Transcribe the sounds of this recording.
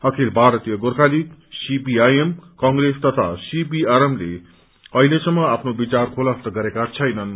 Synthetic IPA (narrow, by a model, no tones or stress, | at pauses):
ʌkʰelbʱaɾʌt̪ijʌɡorkʰaliksibiajemkʌŋɡrest̪ʌt̪ʰa̰sibiaɾemlḛ | ʌɦilesʌmːʌapʰnobit͡sarkʰolʌpt̪ʌɡʌɾekat͡sʰʌjnʌn